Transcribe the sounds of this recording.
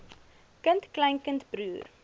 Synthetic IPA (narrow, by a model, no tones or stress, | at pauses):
kəntklɐjnkəntbɾuːr